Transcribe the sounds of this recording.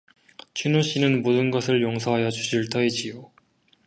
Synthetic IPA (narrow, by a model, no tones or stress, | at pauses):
t͡ɕʰinoɕ͈inɯnmodɯnɡʌsʰɯɭjoŋsʰʌɦajʌd͡ʑuɕʰiɭt͈ʰʌid͡ʑijo